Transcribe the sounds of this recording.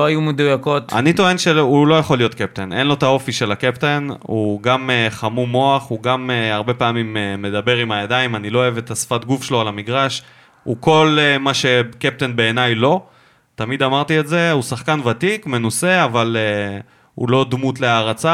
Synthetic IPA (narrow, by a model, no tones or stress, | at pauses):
oajumed̪ujako̞t̪a̰nit̪oe̞nʃeulo̞jaχo̞lːijo̞t̪kep̚t̪ene̞nlo̞t̪ao̞fiʃe̞lakept̪enuɡameχamumo̞aχuɡameaʁbe̞paːmimeːe̞d̪abe̞ʁimajad̪ajimanilo̞oevet̪asfat̪ɡufʃeloalamiɡʁaʃ | uko̞lemaʃe̞kep̚t̪enbe̞ːnajlo̞ | t̪amid̪amaʁt̪ietze̞usaχkanvat̪ikme̞nuse̞avale | ṵlo̞d̪mut̪leaːʁat͡sa